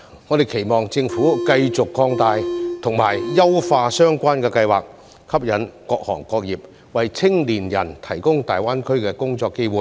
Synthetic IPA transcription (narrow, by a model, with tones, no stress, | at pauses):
ŋɔː˨˧d̪e˨jkʰe˨˩jmɔː˨ŋt͡sɪ˧ŋfuː˨˥kɐ˧jt͡sʊ˨kːɔː˧ŋt̪aː˨˧jt̪ʰʊ˨˩ŋmaː˨˩jjɐ˥wfaː˧sœː˥ŋkʷaː˥nkɛː˧kɐ˧jwaː˨˩k̚ | kʰɐ˥p̚jɐ˨˥nkɔː˧k̚hɔː˨˩ŋkɔː˧k̚jiː˨p̚ | wɐ˨jt͡sʰɪ˥ŋliː˨˩njɐ̰˨˩nt̪ʰɐ˨˩jkʊ˥ŋt̪aː˨˩jwaː˥nkʰɵ˥ɥkɛː˧kʊ˥ŋt͡sɔː˧kːe˥jwuː˨˧j